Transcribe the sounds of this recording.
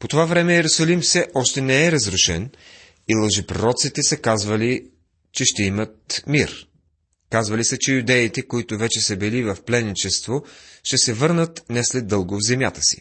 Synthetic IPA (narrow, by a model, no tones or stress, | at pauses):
pot̪ovavɾɛmɛjɛɾʊsɐlimfsɛʔɔʃt̪ɛnɛɛɾɐzɾʊʃɛn | ilˠəʒɛpɾoɾɔt̪sit̪ɛsəkazvəli | t͡ʃɛʃt̪ɛimət̪̚miɾ | kazvəlisət͡ʃɛjʊd̪ɛit̪ɛkoit̪ʊvɛt͡ʃɛsɛbɛlivɐfplɛnːit͡ʃɛst̪voʃt̪ɛsɛvɤɾnət̪nɛslɛd̪ːɤlˠɡʊvzɛmʲjat̪ə̥si̥̰